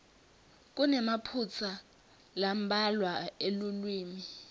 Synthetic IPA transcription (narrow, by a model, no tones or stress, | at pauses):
k̬ʼunɛmapʰut͡sʰa | lam̩bʱalwaelulwiːmi